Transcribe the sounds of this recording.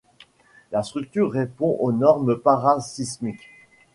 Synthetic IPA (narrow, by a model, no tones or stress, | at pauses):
last̪χyk̚t̪yʁːepɔ̃ʔonɔʁməpaʁasismik